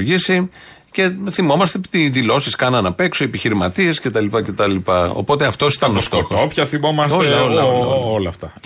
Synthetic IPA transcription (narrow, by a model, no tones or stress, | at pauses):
ʝisi | ce̞θimo̞mɐst̪eit̪iðilo̞siskɐnɐnɐpe̞ksoiepiçiɾimɐt̪ie̞sce̞t̪ɐlipɐce̞t̪ɐlipɐo̞̰po̞t̪eɐft̪o̞si̥t̪ɐnost̪o̞xosopçɐθimo̞mɐsot̪leolɐolɐft̪ɐ